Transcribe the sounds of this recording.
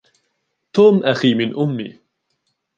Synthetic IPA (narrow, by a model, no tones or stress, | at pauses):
t̪uːmʔaxiːmɪnʔʊmːḭː